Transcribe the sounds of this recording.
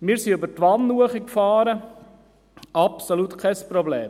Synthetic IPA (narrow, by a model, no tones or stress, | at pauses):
mɪːɾsiybətʋɑnnuəχikfɑːɾə | ɑpsolut̪kʰɛspɾɔbleːm